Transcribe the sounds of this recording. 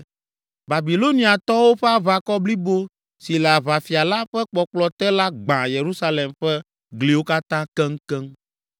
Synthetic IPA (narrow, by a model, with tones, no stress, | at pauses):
ba˨bi˨lo˦nĩ˨a˨t̪ɔ˦wo˦ɸɛ˦a˦βa˦kɔ˦bli˦bo˦ | si˨la˨βa˨fi˨a˨la˦ɸɛ˦k͡pɔ˨k͡plɔ˨t̪ɛ˦la˦ɡ͡bã˨je˨ɾu˦sa˦le˨mɸɛ˦ | ɡli˨wo˦ka˦t̪ã˦kɛ˦ŋ̩˦kɛ˦ŋ